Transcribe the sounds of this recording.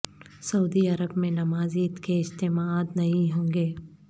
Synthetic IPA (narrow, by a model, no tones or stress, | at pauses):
sɐuːd̪iɐɾəbmẽnɐmaːzit̪keɪst̪eːmaaːt̪nɐɦĩɦõːŋɡeː